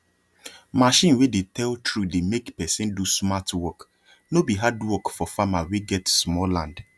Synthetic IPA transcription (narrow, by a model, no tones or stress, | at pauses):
maʃĩnwedetɛltʰɹudemekpɛsĩndusmatwɔk | nobiɦadwɔkfɔfamaweɡɛtsmɔlãnd